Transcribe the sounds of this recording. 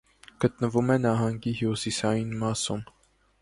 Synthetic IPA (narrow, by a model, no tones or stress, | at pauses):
ɡ̥ət̪̚nəvumɛnɑɦɑŋɡihusisɑjinmɑsum